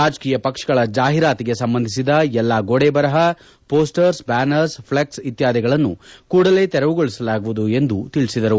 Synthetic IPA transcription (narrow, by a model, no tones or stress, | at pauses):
aːd͡ʒkiːjɐpɐkʂɐ̥ɡɐɭɐd͡ʒaːɦiɾaːt̪iɡe̞sɐmbɐnd̪ʱisid̪ɐɛlːaːɡoɽebɐɾɐɦɐ | poːsʈɐɾsbaːnɐɾspʰɭek̚sit̪jaːd̪iɡɐɭɐnːṵkuːɽɐle̞t̪ɛɾɐʋuɡoɭisɐlaːɡuʋud̪ue̞nd̪ut̪iɭisid̪ɐɾu